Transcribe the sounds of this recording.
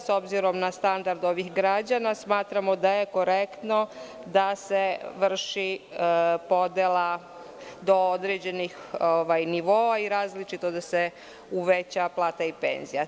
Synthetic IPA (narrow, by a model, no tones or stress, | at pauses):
so̞bziɾo̞mnast̪and̪aɾd̪o̞ʋixɡɾad͡ʑanasmaːt̪ɾamo̞d̪aje̞ko̞ɾekt̪no̞ | d̪aseʋr̩ʃi | po̞d̪ela | d̪o̞od̪ɾed͡ʑe̞nix | oʋajniʋo̞ːaiɾaːzlit͡ʃit̪od̪ase | uʋet͡ɕaplˠaːt̪aipḛnzija